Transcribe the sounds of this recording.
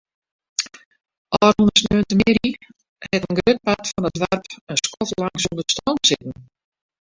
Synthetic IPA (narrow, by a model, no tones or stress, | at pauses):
ʔɔːrunəsnøəntəmɪɾi | hɛtənɡrøt̚patfɔnədʋarpənskɔtlaŋsundəstɔnsɪtn̩